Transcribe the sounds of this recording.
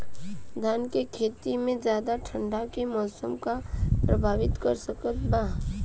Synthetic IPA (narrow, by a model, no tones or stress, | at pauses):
d̪ʱaːnkekʰeːt̪imẽd͡ʒjaːd̪aʈʰə̃ɳɖakemɔːsəmkapɾəbʱaːʋɪt̪kəɾsəkət̪baː